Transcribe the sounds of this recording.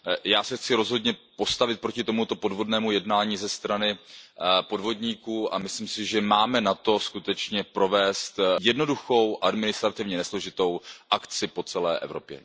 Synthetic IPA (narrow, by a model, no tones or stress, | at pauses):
jaːsɛxt͡sɪɾo̞zɦo̞dɲɛpo̞st̪avɪt̪̚pɾo̞cɪt̪o̞mut̪o̞po̞dvo̞dnɛːmujɛdnaːɲiːzɛst̪ɾanɪ | po̞dvo̞dɲiːkuːʔamɪslimsɪʒɛmaːmɛnat̪o̞skut̪ɛt͡ʃɲɛpɾo̞vɛːst̪jɛdno̞duxo̞wʔadmɪnɪst̪ɾat̪ɪvɲɛnɛslo̞ʒɪt̪o̞wʔakt͡sɪpo̞t͡sɛlɛ̰ːʔɛ̰vɾo̞̰pjɛ̰